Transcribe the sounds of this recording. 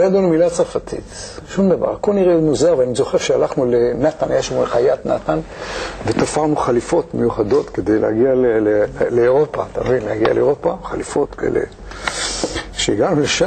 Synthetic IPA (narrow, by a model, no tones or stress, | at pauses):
jad̪ulemilat͡safat̪ʰḭt̪ʃumd̪ava̰ʁkolniʁenuzaʁveanizo̞χeʁʃealaχnulenat̪anajaʃmoχajat̪na̰t̪anvet̪afaʁnuχalifo̞t̪mejuχad̪o̞t̪ked̪ejlḛha̰ɡialeleleoʁopa̰ːt̪amevinlehaɡia̰leoʁo̞paχalifo̞t̪keḛlḛ | ʃeiɡanuleʃa